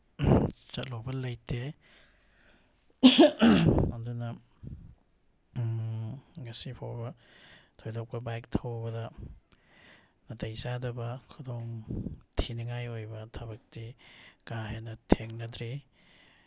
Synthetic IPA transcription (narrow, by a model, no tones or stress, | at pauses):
t͡ʃɐt̚lobɐlɐjte | andunɐ | ɡɐsipʰa̰wbɐ | tʰojdawkɐbajk̚tʰawbɐdɐ | nɐtɐjzadɐbɐkʰudoŋtʰiniŋajojbɐtʰɐbɐk̚tiɡaɦenɐtʰeŋnɐdɾi